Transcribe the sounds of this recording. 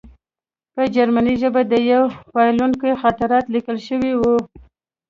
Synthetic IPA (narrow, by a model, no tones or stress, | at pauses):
pəd͡ʒaɾmaniʒəbad̪əjawpɑjluŋkəjxat̪aɾɑt̪likəlʃəwiwu